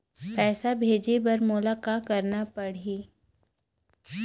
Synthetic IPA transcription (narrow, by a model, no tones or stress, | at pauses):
pɛːsabʱeːd͡ʒebɐɾmʊlakakɐɾnapɐɽiː